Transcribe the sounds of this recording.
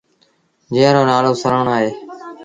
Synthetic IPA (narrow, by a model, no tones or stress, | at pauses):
d͡ʒĩːɾoːnaːloːsəɾəːɳaːɦeː